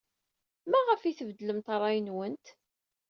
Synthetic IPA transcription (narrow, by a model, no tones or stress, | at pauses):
mæʁəfiθəvd̪ləmt̪ɑrˤːɑjənwənt̪